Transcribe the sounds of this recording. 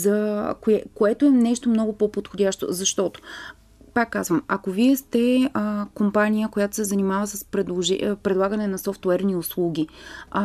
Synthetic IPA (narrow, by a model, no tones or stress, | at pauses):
zɐkoɛkoɛt̪oɛnɛʃt̪omnɔɡʊpopot̪xodʲaʃt̪o̰zɐʃt̪ɔt̪o̥ | pakːazvəmɐkoviɛst̪ɛkompanʲijəkojat̪o̥sɛzɐnimavəsɐspɾɛd̪lˠoʒɛ̰pɾɛd̪lˠaɡənɛnɐsɔft̪wɛɾniʊslˠuɡ̟ʲi